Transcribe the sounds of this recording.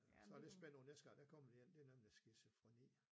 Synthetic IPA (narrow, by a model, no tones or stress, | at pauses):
sɒled̥sb̥en̰nesɡ̥ɐd̥ækʰɒmɐʋijen̰d̥e̝nemnlisɡ̥isyfʁonḭ